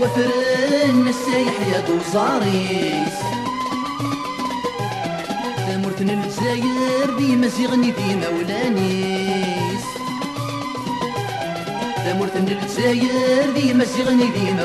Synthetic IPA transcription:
wæfəɾənəsæjəħjæd̪ozˤɑɾˤis | θæmʊɾθənːələt̪zæjəɾðijmæziʁəniðimæwlæni | s | θæmʊɾθənːələzæjəɾðijmæziʁəniðimæ

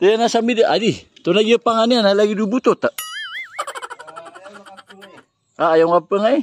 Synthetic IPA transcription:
t̪əjanasamidəʔadit̪onaɡiəpaŋanianalaɡidubut̪ot̪aʔ | ajaŋapəŋai

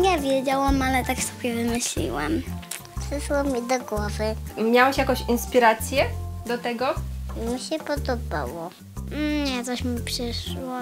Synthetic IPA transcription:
ɲɛvʲjɛd͡ʑawamalɛt̪akst̪u̥pɛvɘmɪɕlʲḭwa̰m | pʂɘʂwɔmʲid̪ɔɡwɔvɘmʲjawaɕjakɔ̃ɕinspʲiɾat̪sʲjɛd̪ɔt̪ɛɡɔmʲiɕɛpɔd̪ɔba̰wɔ | ɲɛt̪ɔɕmʲipʂɘʂwɔ

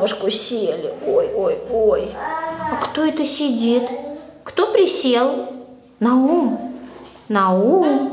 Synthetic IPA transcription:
ʊʂkʊsʲelʲɪ̰ojojojɐkt̪oɛt̪əsʲɪdʲit̪kt̪opɾʲɪsʲelˠ | nɐum | nɐum

